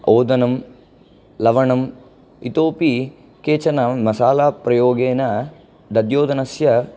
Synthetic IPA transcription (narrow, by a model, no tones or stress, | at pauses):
oːd̪ɐnɐm | lɐʋɐɳɐm | ḭt̪oːpi | keːt͡ʃɐnɐmɐsaːlaːpɾɐjoːɡeːnɐ | d̪ɐd̪joːd̪ɐnɐsjɐ